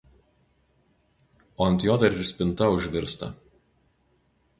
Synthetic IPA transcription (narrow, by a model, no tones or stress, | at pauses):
oːɐnʲt̪ʲjoːd̪ɐɾɪɾsʲpʲɪnˑt̪ɐʊʒʲʋʲɪɾst̪ɐ̰